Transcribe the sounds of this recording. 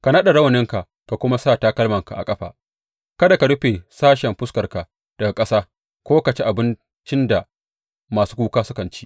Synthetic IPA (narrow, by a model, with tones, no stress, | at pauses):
ka˨nɐ˦ɗa˨ɽɐ˦wɐ˨nɪ˦ŋka˨ʔ | ka˨kʷʊ˦ma˦saː˦˨ta˦kɐ˦lmɐ˨ŋka˨ʔa̰˨kʼɐ˦ɸa̰ː˨ | kɐ˦da˨ka˨ɽʊ˦ɸe˨saː˦ʃɛ˨mɸʊ˦skɐ˨rka˨ | d̥ɐ˨ɡa˨kʼɐ˦saː˦ | kʷoː˦ka˨t͡ʃe˦ʔa˨bɪ˦n | t͡ʃɪ˦nda˨ | maː˨suː˦kuː˦kaː˦sʊ˦kɐ˨nt͡ʃi̥ː˦